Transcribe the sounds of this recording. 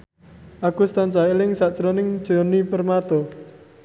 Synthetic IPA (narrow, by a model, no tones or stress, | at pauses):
ʔaɡ̥ṳst̪ant͡ʃailɪŋsaʔt͡ʃɾɔnɪŋ̥ʒ̥ɔnipərmat̪ɔ